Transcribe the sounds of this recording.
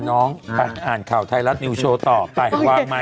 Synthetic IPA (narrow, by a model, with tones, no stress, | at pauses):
nɔː˦˥ŋpa˧˩ʔaː˨˩nkʰaː˨˩wt̪ʰa˧jla˦˥t̪̚niː˧t͡ɕʰoː˧t̪ɔː˨˩pa˧˩jwaː˧˩ŋma˦˥